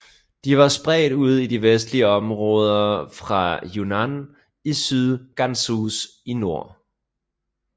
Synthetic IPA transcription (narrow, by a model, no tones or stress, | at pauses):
d̥iʋɑ̈sb̥ʁɛ̰ːɾ̥uð̞̰ˠid̥iʋesd̥liəɒ̽mʁɔ̽ːð̞ˠɐfʁɑ̈junæn | isyðˠɡ̥ænsusino̝ɐ̰